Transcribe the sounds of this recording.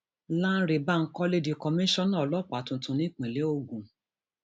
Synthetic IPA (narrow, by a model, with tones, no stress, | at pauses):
lã˦n̩˦ɾe˨ba˦˨ŋ̩˦kɔ˦le˧di˨kɔ˧mĩ˦ʃɔ̃˦nãː˦˨lɔ˦˨k͡pa˨tũ˨˦tũ˧˦nĩ˦k͡pĩ˨le˨˦o˧˨ɡũ˨